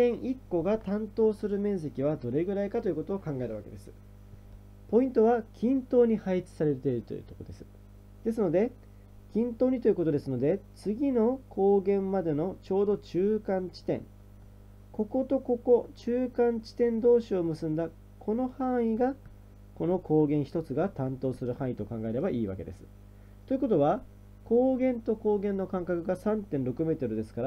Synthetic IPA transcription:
ẽɰ̃ʔikːo̞ɡat̪ãnt̪o̞ːsɨɾɯ̟mẽ̞ɰ̃s̬e̞kʲiβad̪o̞ɾe̞ɡɯ̟ɾaikat̪o̞jɯ̟ko̞t̪o̞ːkãŋɡae̞ɾɯβa̰ke̞d̪e̞sɨ̥ | po̞ĩnt̪o̞βakʲĩnt̪o̞ːɲ̟ihait͡sɨ̥saɾe̞t̪e̞iɾɯ̟t̪o̞̰jɯ̰ːt̪o̞kod̪esɨ̥ | d̪̥e̞s̬ɨno̞d̪e̞ | kʲĩnt̪oːɲ̟it̪o̞ji̟ko̞t̪o̞d̪e̞sɨno̞d̪e̞t͡sɨɡʲino̞kʰo̞ːɡẽ̞mmad̪e̞no̞t͡ɕo̞ːd̪o̞t͡ɕɨːkãɲ̟t͡ɕi̥t̪ẽ̞̰ŋ | ko̞ko̞t̪o̞ko̞ko̞t͡ɕɨːkãɲ̟t͡ɕi̥t̪ẽ̞nd̪o̞ːɕio̞mɯ̟sɨ̃nd̪a | kʰo̞no̞hãɰ̃iɡa | ko̞no̞ko̞ːɡẽ̞ɰ̃çi̥t̪o̞t͡sɨɡat̪ãnt̪o̞ːsɨɾɯ̟hãɰ̃it̪o̞kãŋɡaeɾe̞baʔiːβa̰ke̞d̪e̞̰sɨ̥ | t̪oiɯ̟ko̞t̪o̞βa | ko̞ːɡẽ̞nt̪o̞ko̞ːɡẽ̞nːo̞kãŋkakɯ̟ɡasãnt̪ẽnɾo̞kɯ̟me̞ːt̪o̞ɾɯ̟d̪e̞sɨ̥kaɾa

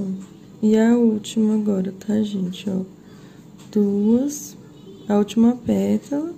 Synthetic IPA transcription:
iaut͡ʃimɐɡɔɾɐt̪ʰaʒẽnt͡ʃɔ | d̪̥uɐs | aut͡ʃimɐpɛt̪ɐ

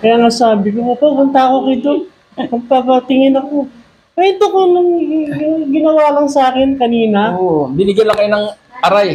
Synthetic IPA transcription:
kɐjaːŋasaːbɪkokɐpɐpʊnt̪ɐkokɪd̪on | pɐɡ̚pɐpɐt̪ɪŋɪnɐko | pɛnt̪okonʊŋ | ɡɪnɐwaːlɐŋsaːkɪnkɐniːnɐobɪnɪɡjanlːɐŋkɐjonɐŋ | ʔɐɾaj

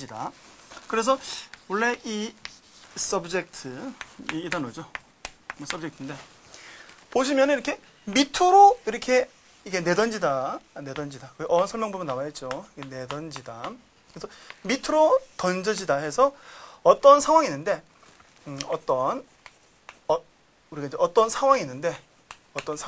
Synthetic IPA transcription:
d͡ʑida̰kɯɾe̞s̬ʰʌwʌɭːei | s͈ʌbɯd͡ʑek̚tʰɯiːdanod͡ʑo | mʌs͈ʰʌb̚d͡ʑek̚tʰɯnde̞ | poɕ̬ʰimjʌnɯniɾʌkʰe̞ | mitʰɯɾoiɾʌkʰe̞ | ikene̞dʌnd͡ʑidane̞dʌnd͡ʑidakɯʔʌʌnsʰʌɭmjʌŋbumjʌnːawaɦet̚t͡ɕ͈oiɡene̞dʌnd͡ʑidam | kɯɾesʰʌmitʰɯɾotʌnd͡ʑʌd͡ʑidaɦe̞sʰʌʌt͈ʌnsʰaŋwaŋinːɯnde̞ | ʌt͈ʌn | ʌ | uɾiɡaid͡ʑeʔʌt͈ʌnsʰaŋwaŋinːɯnde̞ | ʌt͈ʌnsʰ

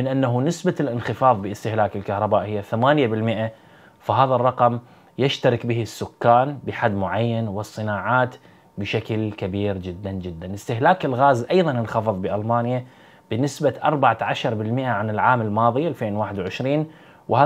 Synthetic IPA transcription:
mɪnʔanːaɦunɪsbalʔɪnxɪfɑːðˤbɪɪst̪ɪhlaːkɪlkahɾˤɑbaːʔhɪjːaθamaːnjabɪlmɪʔa | faɦaːðarˤːɑqɑm | jaʃt̪aɾɪkbɪhisːʊkːaːnbɪħad̪ːmʊʕajːanwɨsˤːɨnaːʕaːt̪ | bɪʃaklkabiːɾd͡ʒɪd̪ːand͡ʒɪd̪ːanɪst̪ɪɦlaːkɪlɣaːzʔɑjðˤɑnɪnxɑfɨðˤbɪʔalmaːnja | b̥ɪnɪsbaʔɑɾˤbaʕaʕaʃɑɾˤbɪlmɪʔaʕanɪlʕaːmɪlmɑːðˤɨalfeːnwaːħɪd̪wʕɪʃɾiːn | wɪhaː

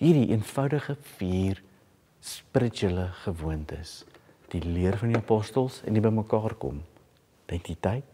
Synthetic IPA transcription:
ɦiːrdiʔḭənfɐwdəχəfiːr | spəɾətələχəvuəntə̰s | d̥iliərfɐndiɑpɔstəlˠsɛ̰ndibəjməkɑːrkɔ̰m | dɛntitɐjt̚

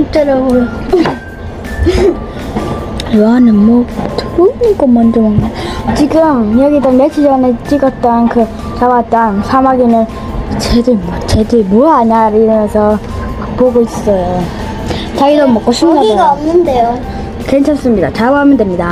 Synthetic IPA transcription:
ɯtɯɾaɡo | janɯnmwʌtʰɯnk͈omʌnd͡ʑomanːat͡ɕiɡɯmjʌɡidʌmet͡ɕʰid͡ʑʌnet͡ɕ͈iɡʌt̚t͈ʌnkɯ | t͡ɕawatt͈ʌnsʰamaɡinɯn | t͡ɕedɯmt͡ɕedemoaɲaɾiɾɯmʌnsʰʌ | poɡois͈ʌjo | t͡ɕaɡidʌmok͈oɕʰimaɡaomnɯndejo | kent͡ɕʰams͈ɯmɲidat͡ɕabaɦamjʌndemɲida

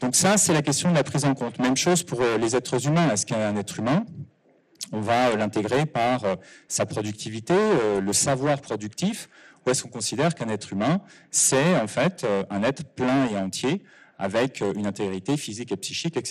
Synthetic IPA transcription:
d̪̥ɔ̃ksasɛlak̬ʲɛst̪jɔ̃d̪əlapχizɑ̃kɔ̃t̪mɛmʃozpuʁølezɛt̪χəzymɛ̃ɛskɛɛ̃nɛt̪χymɛ̃ | ɔ̃vaølɛ̃t̪eɡʁepaʁøsapχɔd̪yk̚t̪ʰivit̪eøləsavwaʁpχɔd̪yk̚t̪ifuɛskɔ̃kɔ̃sid̪ɛʁkɛ̃nɛt̪χymɛ̃sɛɑ̃fɛt̪ʰøɛ̃nɛt̪χəplɛ̃eɑ̃t̪ʰje | a̰vɛkʰøynɛ̃t̪eɡʁit̪efizikepsiʃikɛks

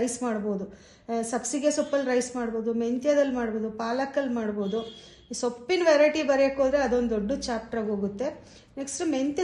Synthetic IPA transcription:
jsmaːɽbo̞ːd̪u | sɐpsiɡesopːɐlɾɐjsmaːɽbo̞ːd̪ument̪jɐd̪ɐlmaːɽboːd̪upaːlɐkːɐlmaːɽbo̞ːd̪u | sopːinʋeɾɐjʈibɐɾekod̪ɾeɐd̪o̞nd̪oɖːut͡ʃaːp̚ʈɐɾɐɡɦoːɡut̪ːe̞ | neksʈment̪ɐ

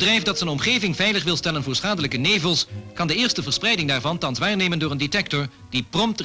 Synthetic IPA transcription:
drɛjfdɑtsənɔmχejvɪŋvɛjləχʋɪlˠstɛlənvʊːɹsχaːdələkənejvəlˠskɑndəɪːɹstəvəɹsprɛjdɪŋdaːɹvɑntɑnsʋaːɹnejməndʊːɹəndetɛk̚tɔɹ | d̥iprɔmt

